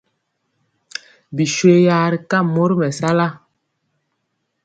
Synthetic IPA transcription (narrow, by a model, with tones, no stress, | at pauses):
bi˨ʃwe˦ja˨˦ɾi˨ka˦˨mo˦ɾi˦mɛ˨sa˦la˦˨